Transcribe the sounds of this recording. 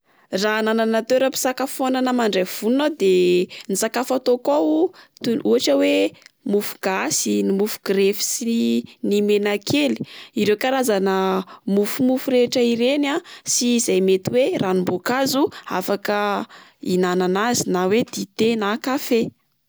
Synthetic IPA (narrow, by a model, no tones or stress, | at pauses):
ranananat̪ewɾapi̥sakafonanəmaɳɖ͡ʐev̥unad̪enisakafat̪okat̪uaʈ͡ʂəwemufu̥ɡ̥asinimufu̥ɡ̥ɾefi̥sinimenakʰeli̥iɾewkaɾazanəmufumufuɾeʈ͡ʂəiɾenasiːzajmet̪iwerʔanimbokazua̰fakəinananazinawed̪̥it̪enakafe